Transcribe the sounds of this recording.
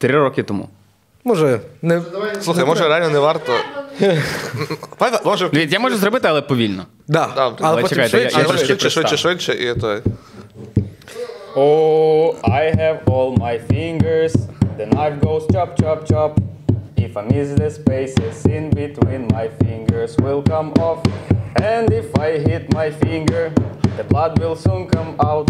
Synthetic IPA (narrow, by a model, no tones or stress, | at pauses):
t̪ɾɪɾɔkɪt̪ɔmṵ | mɔʒɛnɛsluxɐjmɔʒɛɾɛalnɔnɛʋaɾt̪ɔ | pad̪mɔʒɛʋʲit̪ʲjamɔʒɛzrɔbɪt̪ɪɐlˠɛpɔʋʲilʲnɔ | d̪ad̪aɐlˠɛɛpɔt͡ʃɛk̪ʲajt̪ɛjajaɛt͡ʃːɛʃɪʃɛʃʋɪʃɛʔit̪ɔj | o | ajɦɛvɔlˠmajfɪ̃ŋɡə˞zðɨnaɪtɡoʊz̥t͡ʃɑp̚t͡ʃɑp̚t͡ʃɑp | ɪfəmɪzðɨspeɪsɪzɪ̃nbɪt̪wĩnmajfɪ̃ŋɡə˞zwɪlˠkʌ̃mɔfɛ̃ndɪfajɦɪt̪̚majfɪ̃ŋɡə˞ðəblad̪wɪlˠsũnkʰʌ̃maʊt̪̚